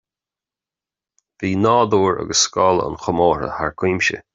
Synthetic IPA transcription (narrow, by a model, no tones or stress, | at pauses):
v̥iːnɑːd̪uːɹə̰ɡəsːkɔləə̰nxʊmoːɹə̰haɹkʰwiːmʃə̰